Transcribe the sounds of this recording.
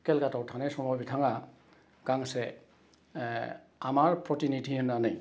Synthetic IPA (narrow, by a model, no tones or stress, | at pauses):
kelkatawtʰanesɔmɔbitʰaŋa | kaŋse | amaɹpʰɾɔtinitʰihɯnanaj